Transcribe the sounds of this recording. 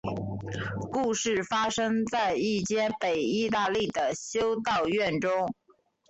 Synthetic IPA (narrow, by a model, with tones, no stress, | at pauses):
ku˥˧ʂɻ̩˥˩fa˥ʂɤ˥ŋt͡sa˥˧ɪi˥˩t͡ɕjɛ˥˩npe˨˩ɪi˥˧t̪a˥˧li˥˩d̪ə˩ɕjo˥ʊt̪ɑ˥˧ʊɥɛ˥˩nʈ͡ʂʊ˥ŋ